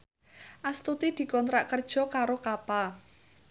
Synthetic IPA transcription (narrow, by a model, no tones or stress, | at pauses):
ʔast̪ut̪id̪̥i̤kɔnt̪ɾaʔkərd̥ʒ̥ɔ̤kaɾokapa